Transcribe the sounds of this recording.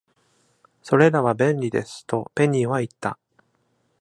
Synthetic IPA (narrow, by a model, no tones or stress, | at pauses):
so̞ɾe̞ɾaβabẽ̞nʲɾʲid̪e̞sɨ̥t̪o̞pe̞ɲ̟iβait̪ːa̰